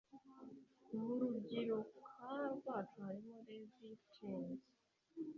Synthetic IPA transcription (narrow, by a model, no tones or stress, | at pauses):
muɾuɟiɾokʰaːβwaːtuaɾimoɾezitʰeːnz